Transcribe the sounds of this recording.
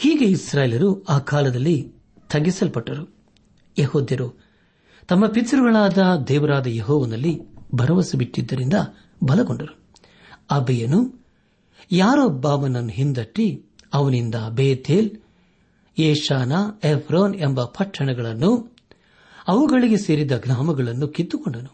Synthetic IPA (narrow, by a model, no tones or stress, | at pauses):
hiːɡeisɾaːjelɐɾuaːkaːlɐd̪ɐlːi | t̪ʰɐɡisɐlpɐʈːɐɾu | jehoːd̪jɐɾu | t̪ɐmːɐpit̪ːɾuɡɐɭaːd̪ɐd̪ɛːʋɐɾaːd̪ɐjeɦɔːʋɐnɐlːibʱɐɾɐʋɐsubiʈːid̪ːɐɾind̪ɐ | bɐlɐɡoɳɖɐɾu | ɐbɛjɐnu | jaːɾoːbaːmɐnɐnːuɦind̪ɐʈːi | ɐʋɐnind̪ɐbeːt̪ʰeːl | jeːʃaːnɐepʰɾoːnembɐpʰɐʈʰːɐɳɛɡɐɭɐnːu | ɐʋuɡɐɭiɡe̞se̞ːɾid̪ɐɡnaːmɐɡɐɭɐnːukit̪ːukoɳɖɐnu